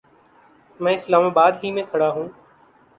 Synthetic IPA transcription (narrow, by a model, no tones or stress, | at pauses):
mɛ̃ːɪslaːmaːbaːd̪ɦiːmẽːkʰəɽaːɦũː